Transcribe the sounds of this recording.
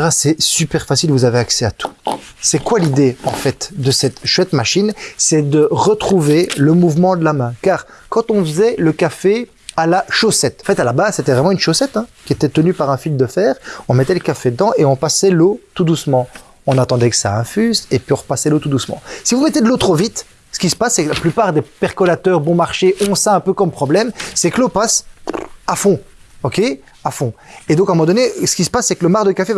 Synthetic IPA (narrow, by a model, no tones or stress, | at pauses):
ʁasɛsypɛʁfasilvuzaveaksɛat̪ʰu̥ | sɛkwalid̪eɑ̰̃fɛt̪d̪əsɛt̪ʃwɛt̪maʃinsɛd̪əʁət̪χuveləmuvmɑ̃d̪əlamɛ̃kaːʁ | kɑ̃t̪ɔ̃vəzɛləkafe | alaʃosɛt̪ɑ̃fɛt̪alabazset̪ɛvʁɛmɑ̃ynʃosɛt̪ɛ̃kʲiet̪ɛt̪ənypaʁɛ̃fild̪əfɛːʁɔ̃mɛt̪ɛləkafed̪əd̪ɑ̃ʔeɔ̃pasɛlot̪ud̪usmɑ̃ | ɔ̃nat̪ɑ̃d̪ɛkə̥saɛ̃fyzepɥiɔ̃ʁpasɛlot̪ud̪usmɑ̰̃sivumɛt̪ed̪əlot̪χovit̪ | sə̥kʲisə̥pasːɛklaplypaʁd̪epɛʁkɔlat̪œʁbɔ̃maʁʃeʔɔ̃saɛ̃pøkɔmpχɔblɛmsɛklopas | afɔ̃ | ɔkʲe | afɔ̃ed̪ɔ̃kɛ̃mɔmɑ̃d̪ɔnesə̥kʲisə̥pasːɛkələmaʁd̪əkafe